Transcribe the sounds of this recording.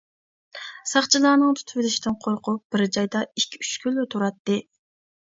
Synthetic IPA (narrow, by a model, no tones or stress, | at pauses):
sɑχt͡ʃʰilˠɑːnɨŋt̪ʰy̥t̪ʰyvlɪʃt̪ɪnqʰoɾqʰʊp̚b̥ɪɾd͡ʒɑjd̪ɑikʲʰːyt͡ʃkʲʰylːyt̪ʰuɾɑt̪ːɨ